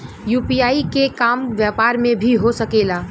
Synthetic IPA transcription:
juːpijaːikekaːmʋjɛːpaːɾmẽbʱiɦosəkeːlaː

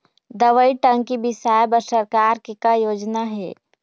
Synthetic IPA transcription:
d̪ɐʋəiʈə̃ŋkibɪsaːjbɐɾsəɾkaːɾkikajoːd͡ʒnaɦɛ̰ː

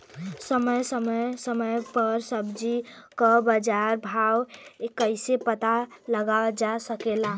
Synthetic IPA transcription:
səməjsəməsəməjpəɾsəbd͡ʒikəbəd͡ʒaɾbʱawekəɪsepət̪aləɡad͡ʒasəkela

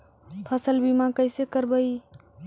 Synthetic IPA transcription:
pʰəsəlbimãkəɪsekəɾbəj

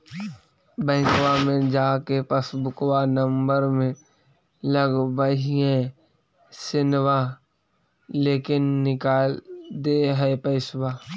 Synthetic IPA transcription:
bɛ̃ːɪkwamẽd͡ʒaːkepəsbʊkwanəmbəɾmẽ | ləɡbəɦiɦɛ̃ | sɪnwa | leːkɪnːɪkaːld̪eɦɛepəɪswaː

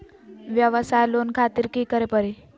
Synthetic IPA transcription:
ʋjəʋəsajlonkʰat̪iːɾkiːkəɾepəɾi

